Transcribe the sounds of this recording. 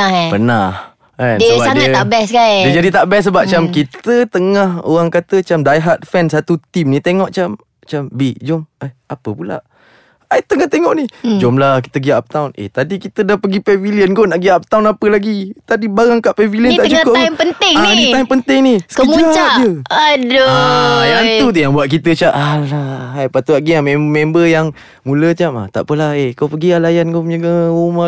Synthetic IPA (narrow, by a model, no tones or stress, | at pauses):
apənah | ɛndisəaaŋat̪ːaʔbɛskajdiəd͡ʒadit̪aʔbɛsːəbap̚t͡ʃamkit̪ət̪əŋaho̰ɣaŋkat̪ət͡ʃamdajɦat̪̚fɛnsat̪ut̪imnit̪eŋɔʔt͡ʃam | t͡ʃambid͡ʒomaapəpula̰ʔ | ajt̪əŋaht̪eŋɔʔnid͡ʒomlahki̥t̪əɡiaʔap̚t̪awnḛt̪adikit̪ədahpəɡipɛviliənɡonaʔɡiaʔp̚t̪awnapəlaɡit̪adibaɾaŋkaʔpɛviliənaʔt͡ʃukoʔompənt̪ɪŋndit̪aimpənt̪ɪŋnisəkəimuad͡ʒaʔd͡ʒəadoant̪ut̪̬əjaŋbuat̪̚k̬it̪ət͡ʃaʔalaɦajpat̪uaʔɡiamẽmembəjaŋ | mulət͡ʃama̰t̪a̰ʔpəlahekawpəɡialajankoɲɡəuma